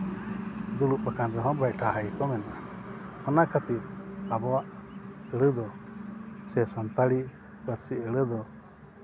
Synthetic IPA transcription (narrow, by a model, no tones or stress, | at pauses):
d̪uɽuʔ̚bakanɾɛɦɔ̃bacʈʰaɦajkɔmɛna | ɔnakʰat̪iɾabɔwaʔəɽəd̪ɔ | sɛsant̪aɽi | bəɾsiəɽəd̪ɔ